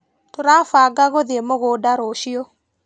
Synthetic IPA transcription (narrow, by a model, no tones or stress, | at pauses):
toɾafaɡaɣoðiemoɣodaɾoʃiɔ